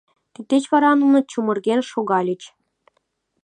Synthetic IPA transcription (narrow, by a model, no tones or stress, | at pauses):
t̪ik̚t̪ːet͡ɕβɑɾɑnunɤ̆t͡ɕumɤ̆rɣʲenʃoɣɑlʲĭt͡ɕ